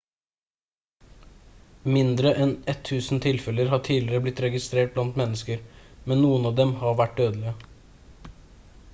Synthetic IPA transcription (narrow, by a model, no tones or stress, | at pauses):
mɪnd̪ɾəʔɛnɛt̪ʰːʉːsn̩t̪ʰɪlfɛləɾhɑːʈʰiːlɪɾəblɪt̪ɾɛɡɪst̪ɾeːʈ̚blɑnt̪mɛnːəskəɾmɛnnuːənɑːʋd̪ɛmhɑɾʋæʈ̚d̪øːd̪əlɪə